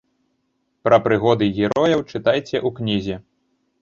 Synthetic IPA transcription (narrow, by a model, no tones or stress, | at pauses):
pɾɐpɾɨɣɔd̪ɨɣʲiɾɔjɐwt͡ʂɨt̪ajt͡sʲɛʔuknʲizʲɛ